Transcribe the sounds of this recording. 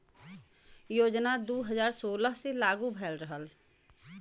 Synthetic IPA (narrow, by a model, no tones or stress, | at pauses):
joːd͡ʒnad̪uɦəzaːɾsoːləɦselaːɡubʱɛːlɾəɦəl